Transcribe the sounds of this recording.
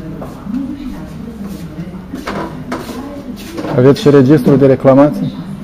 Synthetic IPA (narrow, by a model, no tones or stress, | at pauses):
ave̞t̪sʃiɾe̞d͡ʒist̪ɾud̪e̞ɾe̞klamat̪sije